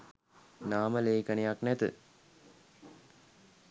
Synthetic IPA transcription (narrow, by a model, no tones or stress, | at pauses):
naːməleːkənejaknæt̪ɨ̰